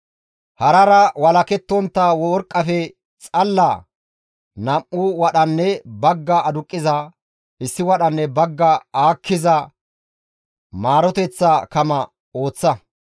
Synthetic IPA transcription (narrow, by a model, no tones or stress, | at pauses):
hɐɾɐɾɐwɐlɐkɛt̪ːɔnt̪ːɐwɔɔɾkʼːɐfɛ | t͡sʼɐlːɐ | nɐmʔʊwɐɗɐnːɛbɐɡːɐːd̪ʊkʼːɪzɐ | ɪsːɪwɐɗɐnːɛbɐɡːɐaːkːɪzɐ | maːɾɔt̪ɛt͡sːɐkɐmɐ | o̞ːt͡sːɐ